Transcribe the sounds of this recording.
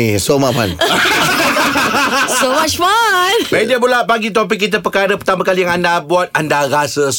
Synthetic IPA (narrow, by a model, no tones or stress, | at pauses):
isomapa̰naasowat͡ʃmanbaidiəbulaʔpaɡit̪̬op̬ik̬ːit̪̬əpəkaɾəpərt̪amãkalijaŋandabuat̪̚andaɾasəs